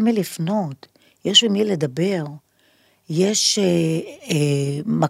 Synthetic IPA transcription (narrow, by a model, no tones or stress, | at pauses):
milifno̞t | jeʃvimiledabe̞ʁ | je̞ʃeema